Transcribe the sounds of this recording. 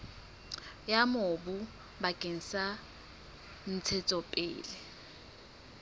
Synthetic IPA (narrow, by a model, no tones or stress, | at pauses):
jamobʊ | bakʼeŋ̩sa | n̩t͡sʰet͡sʼɔpʼɪ̰ːlɪ